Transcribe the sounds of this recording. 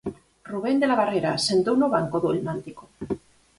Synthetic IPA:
ruβ̞end̪elaβ̞areɾasent̪ownoβ̞aŋkoðuelmant̪iko

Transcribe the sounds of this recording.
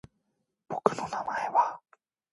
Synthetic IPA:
b̥okɯ̟nonamaeβa

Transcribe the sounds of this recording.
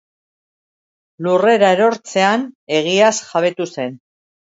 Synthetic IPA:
lure̞ɾaeɾo̞ɾt͡se̞ane̞ɣ̞iasʝaβe̞t̪use̞n

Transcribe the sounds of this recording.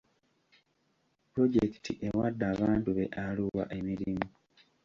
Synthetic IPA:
pɾo̞ɟeki̥tʰiʔewadːaːβaːntuβe̞̰ʔaluwa̰ʔe̞miɾimu

